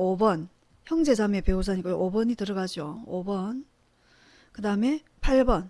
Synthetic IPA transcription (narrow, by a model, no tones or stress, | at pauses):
obʌn | çjʌŋd͡ʑe̞d͡ʑame̞pe̞us̬ʰaɲik͈ʔobʌɲitɯɾʌɡad͡ʑoobʌn | kɯdaɯme̞ | pʰaɭbʌn